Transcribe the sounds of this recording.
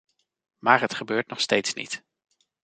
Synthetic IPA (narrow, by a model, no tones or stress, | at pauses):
maːɹɦətχəbøːɹtnɔχstejtsnḭt